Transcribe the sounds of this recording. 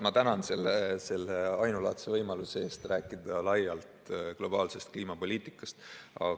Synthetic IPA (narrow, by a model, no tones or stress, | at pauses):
mɑt̪ænɑnse̞lːese̞lːeɑjnulɑt̪sevɤjmɑluseeːst̪ræːkːˑid̪̥ɑlɑjːɑlt̪klo̞b̥ɑːlse̞st̪̚kliːmɑpo̞lʲiːt̪ˑikːˑɑst̪ɑ̰